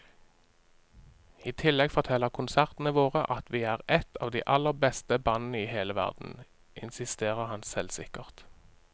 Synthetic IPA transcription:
iːt̪ʰɪlːɛɡfɔʁt̪ʰɛlːəʁkʰʊnsæʁt̪n̩əʋoːʁəʔɑt̪ʰʋiːæːʁɛt̪ʰɑ̰ːʋd̪iːʔɑlːəbɛst̪əbɑnn̩əiːheːləʋæ̰ʁd̪n̩ | ʔɪ̰nsɪst̪eːʁəʁhɑnsɛlsɪ̰kəʁt̪

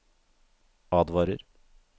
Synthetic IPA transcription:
ɑːd̪ʋɑːɾə̰ɾ

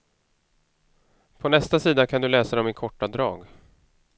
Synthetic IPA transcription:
pʰɔnɛst̪asiːd̪akʰand̪ɵlɛːsad̪ɔmɪkʰɔʈːad̪ɾɑːɡ

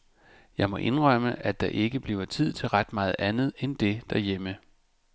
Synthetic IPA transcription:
jɑ̈ɪmɒ̽ʔe̝nʁɶməʔæd̥ɑ̈ʔe̝ɡ̥əb̥liʊɐt͡sʰið̞̰ˠt͡sʰe̝lʁad̥mɑ̈ːð̞̩ˠænð̩ˠend̥e̝d̥ɑjemə

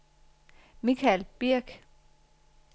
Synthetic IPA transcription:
nikʰælb̥iɐ̰ɡ̥

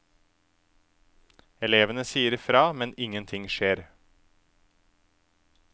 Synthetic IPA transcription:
ɛleːʋənəsiːəɾfɾɑːmɛnɪŋənt̪ʰɪŋʃeːɾ

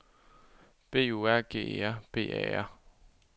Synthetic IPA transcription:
b̥e̝̰ːuæɐ̰ɡ̥e̝̰ːæɐb̥e̝̰ːɛ̰æɐ̰

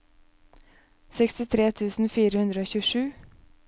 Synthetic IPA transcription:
sɛkst̪ɪt̪ʰɾeːt̪ʰʉːsn̩fiːɾəhʉnd̪ɾəoːçʉːʂʉː

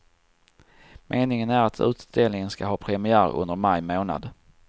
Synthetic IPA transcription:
mʔeːnɪŋənæɾat̪ʰʉ̟̰ːt̪d̪̥eːlnɪŋənskaɦɑːpʰɾɛmɪæːɾɵ̰nd̪əɾmajmoːna̰d̪

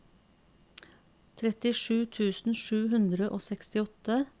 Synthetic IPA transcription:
t̪ʰɾɛt̪ɪʃʉːt̪ʰʉːsn̩ʃʉːhʉnd̪ɾəʔoːsɛkst̪ɪɔt̪ə

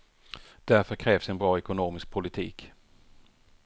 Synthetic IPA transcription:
d̪̥æɾfœɾkʰɾɛːv̥sɛnbɾɑːɛkʊnoːmɪsk̚pʰʊlɪt̪ʰḭːk

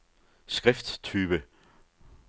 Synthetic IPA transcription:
sɡ̥ʁɛfd̥t͡sʰyːb̥ə

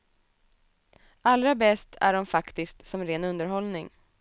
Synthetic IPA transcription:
alɾabɛst̪ʰæ̰ɖɔmfakt̪ɪskt̪sɔmɾeːnɵnd̪əɾɦɔlnɪŋ

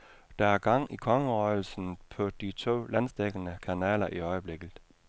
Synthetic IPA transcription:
d̥ɑ̈æɐɡ̥ɑ̈ŋ̰ikʰɒ̽ŋəʁɒɪl̩sn̩pʰɒ̽d̥it͡sʰo̝̰ːlænsd̥eɡ̥ənəkʰænɛ̰ːlɐʔiɒ̽ɪəb̥le̝ɡ̥ð̩ˠ

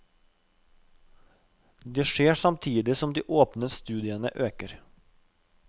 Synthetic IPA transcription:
d̪eːʃeːsɑmt̪ʰiːd̪ɪsɔmd̪ḭːʔoːpnəst̪ʉːd̪ɪənə̰ʔøːkəɾ

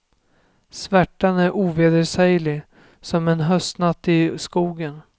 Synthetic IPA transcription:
svæʈːanæɾʔuːveːd̪əɾʂɛjlɪ | sɔmɛnɦœst̪nat̪ːɪskuːɡən

